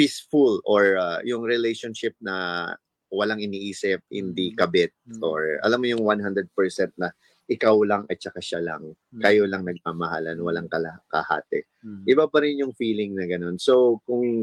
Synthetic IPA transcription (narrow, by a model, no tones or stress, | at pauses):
pisfʊlʔoɹajʊŋɹɪlejʃonʃɪp̚nɐ | wɐlaŋɪniːʔiːsɪp̚hɪ̰nd̪ikɐbɛt̪̚ʔo̰ɹʔɐ̰lamːojʊŋwanhand̪ɾɛd̪̚pɛɹsɛnt̪̚nɐ | ʔɪkawlɐŋɐ̰t̪̚t͡ʃɐkaʃalɐ̰ŋ | kɐjolɐŋnɐɡ̚paːmɐhalɐnowɐlaŋkɐlɐkɐ̰ha̰ːt̪ɛ | ʔɪbapɐɾɪnjʊŋfiːlɪŋnɐɡɐno̞nsowkʊŋ